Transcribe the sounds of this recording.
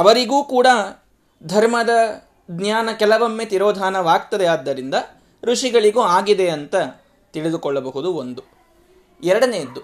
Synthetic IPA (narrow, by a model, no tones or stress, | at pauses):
ɐʋɐɾiɡuːkuːɽa | d̪ʱɐɾmɐd̪ɐ | d̪njaːnɐkɛlɐʋɐmːet̪iɾɔːd̪ʱaːnɐʋaːɡt̪ɐd̪ɛaːd̪ːɐɾind̪ɐ | ɾuʂiɡɐɭiɡuːaːɡid̪eɐnt̪ɐ | t̪iɭid̪ukɔɭːɐbɐɦud̪uond̪u | ɛɾɐɽɐneːd̪ːu